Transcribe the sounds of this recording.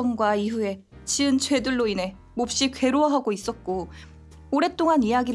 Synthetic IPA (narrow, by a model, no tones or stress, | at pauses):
ʌŋɡwaiɸue̞ | t͡ɕiɯnt͡ɕwe̞dɯɭːoine̞ | mop̚ɕ͈ikwe̞ɾoaɦaɡois͈ʌt̚k͈o | oɾe̞t͈oŋanijaɡi